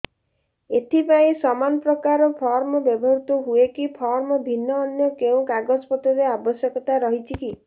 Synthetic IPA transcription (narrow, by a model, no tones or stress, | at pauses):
et̪ʰipaĩsɔmanɔpɾɔkaɾɔpʰɔɾmɔbjɔbʱɔɾut̪ɔɦuekipʰɔɾmɔbʱinːɔːnjɔkeũkaɡɔspɔt̪ɔɾeabɔsjɔkɔt̪aɾɔɦit͡ʃʰiki